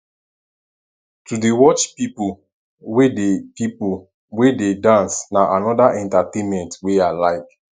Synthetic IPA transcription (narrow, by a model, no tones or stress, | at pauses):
tudewɔt͡ʃpipu | wedepipu | wededãnsnaʔanɔdaʔɛ̃ntatẽnmɛ̃ntwealaɪk